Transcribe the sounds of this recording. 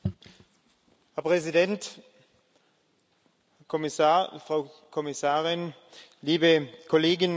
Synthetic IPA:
hɛɐpʁ̥ɛzidɛnt | hɛɐkʰɔmɪsafʁ̥aʊkʰɔmɪsaːʁɪn | liːbəkʰɔleːɡɪn

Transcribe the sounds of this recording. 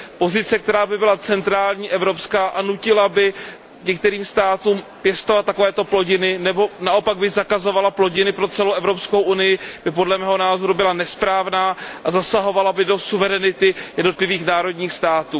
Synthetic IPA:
po̞zɪt͡sɛk̚t̪ɛɾaːbɪbɪlat͡sɛnt̪ɾaːlɲiːʔɛvɾo̞pskaːʔanucɪlabɪ | ɲɛk̚t̪ɛɾiːmst̪aːt̪uːm | pjɛst̪ovat̪̚ːakovɛːt̪o̞plo̞ɟɪnɪnɛbo̞naʔo̞paɡ̚bɪɣzakazo̞valaplo̞ɟɪnɪpɾo̞t͡sɛlowʔɛvɾo̞pskowʔunɪjɪb̥ɪpo̞dlɛmɛːɦo̞naːzo̞ɾubɪlanɛspɾaːvnaːʔazasaɦo̞valabɪdo̞suvɛɾɛnɪt̪ɪjɛdno̞t̪lɪviːxnaːɾo̞dɲiːxst̪aːt̪uː

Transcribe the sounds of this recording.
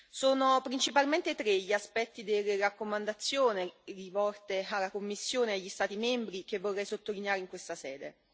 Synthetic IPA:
soːnopɾint͡ʃipalment̪et̪ɾeʎiaspɛt̪ːid̪elerakːomand̪at̪sːjoːnerivɔlt̪ealːakomːisːjoːneaʎːist̪aːt̪imɛmbɾik̟evːorːɛjsot̪ːolineaːɾeiŋkwest̪asɛ̰ːd̪e

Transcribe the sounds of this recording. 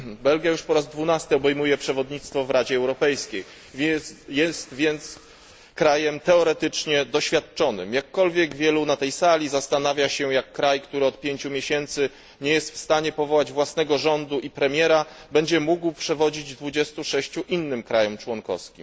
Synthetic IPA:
bɛlɡʲjajuʂpɔɾazd̪vunast̪ɘɔbɛjmujɛpʂɛvɔd̪ɲit̪st̪fɔvɾad͡ʑɛːwɾɔpɛjskʲej | vʲjɛst̪vʲjɛnt̪s | kɾajɛmt̪ɛɔɾɛt̪ɘt͡ʂɲɛd̪ɔɕfʲjat̪̚t͡ʂɔnɘ̰mjakːɔlvʲjɛɡvʲjɛlunat̪ɛjsalʲizast̪anavʲjaɕɛjakːɾajkt̪uɾɘɔt̪̚pʲjeɲt͡ɕumʲjeɕɛnt̪sɘ | ɲɛjɛst̪fst̪aɲɛpɔvɔwad͡ʑvwasnɛɡɔʐɔnd̪uʔipɾɛmʲjɛɾa | bɛɲd͡ʑɛmuɡwpʂɛvɔd͡ʑid͡ʑd̪vud͡ʑɛst̪uʂɛɕt͡ɕuʔinːɘmkɾajɔmt͡ʂwɔŋkɔ̰fskʲḭm

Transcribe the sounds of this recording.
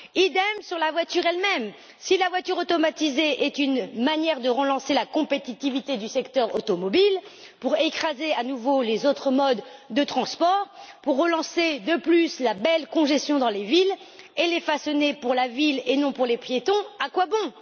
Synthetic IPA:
id̪ɛmsyʁlavwat̪yʁɛlmɛm | silavwat̪yʁot̪ɔmat̪izeʔɛt̪ynmanjɛʁd̪əʁəlɑ̃selakɔ̃pet̪it̪ivit̪ed̪ysɛkt̪œʁo̰t̪ɔmɔbil | puʁekχazeanuvolezot̪χəmɔd̪ːət̪χɑ̃spɔʁpuʁːəlɑ̃sed̪əplyslabɛlkɔ̃ʒɛst̪jɔ̃d̪ɑ̃levil | elefasɔnepuʁlavilenɔ̃puʁlepjet̪ɔ̃akwabɔ̃

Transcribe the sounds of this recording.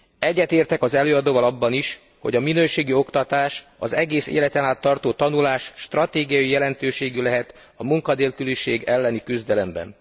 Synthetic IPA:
ɛɟːɛt̪eːrt̪ɛkɒzɛløːɒd̪oːvɒlɒbːɒniʃ | ho̞ɟɒminøːʃeːɡio̞kt̪ɒt̪aːʃɒ̰zɛɡeːsḛːlɛt̪ɛnaːt̪ːɒrt̪oːt̪ɒnulaːʃʃt̪rɒt̪eːɡijɒjijɛlɛnt̪øːʃeːɡylɛɦɛt̪ | ɒmuŋkɒd̪eːlkyliʃeːɡɛlːɛnikyzd̪ɛlɛmbɛ̰n

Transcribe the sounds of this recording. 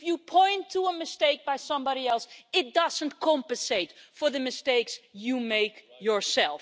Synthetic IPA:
ɪfjupʰɔ̃ɪ̃ntʰuəmɨsteɪk̚b̥aɪsʌ̃mbɑɾiɛlˠsɪt̚d̥ʌzə̃ntkʰɑ̃mpɨ̃nseɪtfə˞ðɨmɨsteɪksjumeɪkjə˞sɛlˠf

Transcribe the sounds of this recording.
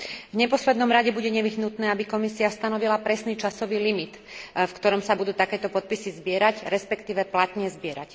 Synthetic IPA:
vɲɛpɔslɛd̪nɔmɾaɟɛbuɟɛɲɛʋiɦnut̪nɛːabikɔmisiast̪anɔʋilapɾɛsniːt͡ʃasɔʋiːlimit̪ | fkt̪ɔɾɔmsabud̪uːt̪akɛːt̪ɔpɔt̪̚pisizbɪɛɾacɾɛspɛkt̪iːʋɛplat̪ɲɛzbɪɛɾac

